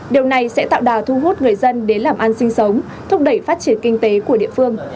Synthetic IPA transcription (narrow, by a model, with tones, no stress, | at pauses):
ɗi˨˩əwna˨˩jsɛ̰˧˥t̪a̰ː˧˨wɗaː˨˩t̪ʰu˧ɦu˦˥t̚ŋɨ˨˩əjzə˧nɗe˨˦nlaː˨˩mʔa˧nsï˧ŋ̟sə˨˦wŋ͡m | t̪ʰʊ˦˥k͡p̚ɗə˧˩jfaː˦˥t̚t͡ɕi˧˩ənkï˧ŋ̟t̪e˨˦ku˧˩əɗḭ˧˨əfɨ˧əŋ